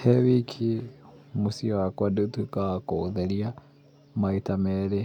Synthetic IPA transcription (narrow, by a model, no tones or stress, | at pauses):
hɛβikʰimusiwakwadutukakɔðɛlia | maitamɛɾɛ